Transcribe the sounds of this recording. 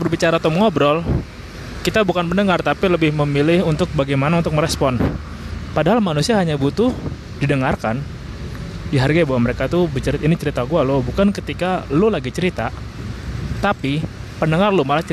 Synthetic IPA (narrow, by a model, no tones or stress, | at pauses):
bərbit͡ʃaɾat̪ɔməŋɔbɾɔl | kit̪abukanpənəŋart̪apiləbɪhməmilɪhunt̪ʊk̚baɡajmanaunt̪ʊk̚məɾɛspɔn | padaɦalmanusiaɦaɲabut̪ʊh | didəŋarkan | diɦarɡajabawaməɾekat̪ubət͡ʃəɾit̪ainit͡ʃəɾit̪aɡualobukankət̪ikalulaɡit͡ʃəɾit̪a | t̪apipənəŋarlumalaht͡ʃ